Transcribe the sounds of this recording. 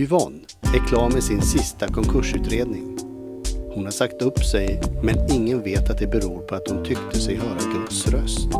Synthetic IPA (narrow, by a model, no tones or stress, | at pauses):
ʏvɔnː | ɛɾkʰlɑːɾmɛsɪnsɪst̪akʰɔŋkʰɵʂʉ̟ːt̪ɾeːd̪nɪŋ | hʊnhaɾsakt̪ɵpːsɛjmɛnɪŋːənveːt̪at̪̚d̪ɛbɛɾuːɾpʰɔat̪̚hʊnt̪ʰʏkt̪əsɛjɦœːɾaɡɵt̪sɾœst̪